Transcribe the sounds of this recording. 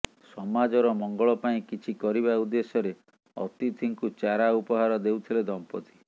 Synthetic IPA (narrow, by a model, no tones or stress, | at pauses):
sɔmad͡ʒɔɾɔmɔŋɡɔɭɔpaĩkit͡ʃʰikɔɾiβaud̪esɔɾe | ɔ̰t̪it̪ʰiŋkut͡ʃaɾaupɔɦaɾɔd̪ewt̪ʰiled̪ʱɔmpɔt̪i̥